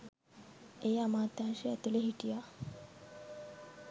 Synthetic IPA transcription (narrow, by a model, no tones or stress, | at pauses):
ejamaːt̪ːaːʃeæt̪uleɦiʈija